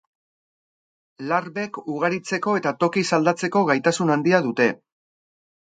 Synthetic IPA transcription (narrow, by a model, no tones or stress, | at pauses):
larβe̞kuɣ̞aɾit͡se̞ko̞e̞t̪at̪o̞kisald̪at͡se̞ko̞ɣajt̪asunand̪iað̞ut̪e̞